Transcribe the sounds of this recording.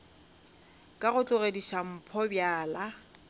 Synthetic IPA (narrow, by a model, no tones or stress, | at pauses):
kʼaɣʊt͡ɬʼʊɣediʃam̩pʰɔbjaːla